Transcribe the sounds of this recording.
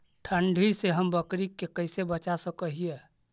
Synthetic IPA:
ʈʰəɳɖʱiseɦəmbəkɾikːekəɪsebət͡ʃasəkəɦije

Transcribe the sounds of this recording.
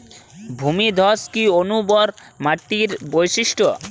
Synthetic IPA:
bʱumid̪ʱɔskionubɔɾmaʈːiɾbojʃiʃʈo

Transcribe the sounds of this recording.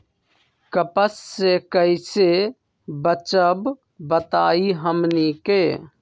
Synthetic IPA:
kəpəsːekəɪse | bət͡ʃəb | bət̪aiɦəmnike

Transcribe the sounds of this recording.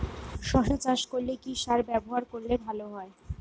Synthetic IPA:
ʃɔʃat͡ɕaʃkoɾlekiʃaɾbɛboɦaɾkoɾlebʱaloɦɔe

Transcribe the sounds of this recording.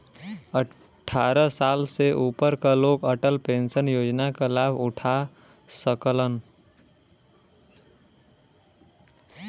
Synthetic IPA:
ə | ʈʰːaɾəsalseʔupəɾkalokəʈəlpẽnsənjoːd͡ʒnakalabʱʊʈʰa | səklən

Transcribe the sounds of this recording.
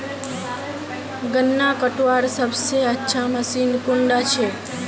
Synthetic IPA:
ɡənːakəʈʋaɾsəbseətːʃʰaməsinkuɳɖat͡ʃʰe

